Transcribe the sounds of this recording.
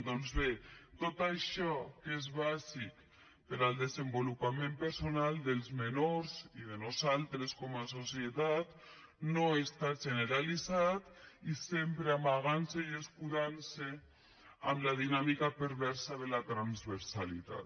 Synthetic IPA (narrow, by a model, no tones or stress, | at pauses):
d̪ɔnzβet̪ot̪aʃɔkezβazik | peɾalˠd̪ezembolupamẽmpəɾsonalˠd̪elˠzmenoɾziðenozalˠt̪ɾeskɔmasosjet̪at̪ | noest̪aʒeneɾalizat̪isempɾeamaɣansejeskuðanse | a̰mlaðinamikapeɾβɛɾsaðelat̪ɾanzβeɾsalḭt̪a̰t̪